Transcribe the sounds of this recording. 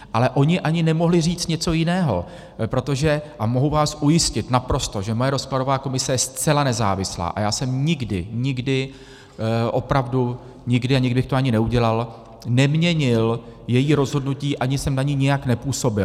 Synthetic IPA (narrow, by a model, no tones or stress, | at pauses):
ʔalɛʔo̞ɲɪʔaɲɪnɛmo̞ɦlɪr̝iːt͡st̪ɲɛt͡so̞jɪnɛːɦo̞̰ | pɾo̞t̪o̞ʒɛʔamo̞ɦuvaːsʔujɪscɪt̪napɾo̞st̪o̞ʒɛmo̞jɛɾo̞splado̞vaːko̞mɪsɛjɛst͡sɛlanɛza̰ːvɪsla̰ːʔa̰jaːsɛmɲɪɡdɪɲɪɡdɪ | ʔo̞pɾavdu | ɲɪɡdɪaɲɪɡdɪbɪxt̪oaɲɪnɛuɟɛlal | nɛmɲɛɲɪljɛjiːɾo̞zɦo̞dnuciːʔaɲɪsɛmnaɲɪɲɪjaknɛpuːso̞bɪl